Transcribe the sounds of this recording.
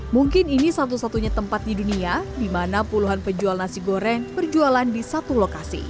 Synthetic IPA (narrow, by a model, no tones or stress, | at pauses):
muŋkɪninisat̪̬usat̪uɲat̪əmpat̪̚diduniadimanapuluɦanpəd͡ʒualnasiɡoɾɛnpərd͡ʒualandisat̪ulokasḭ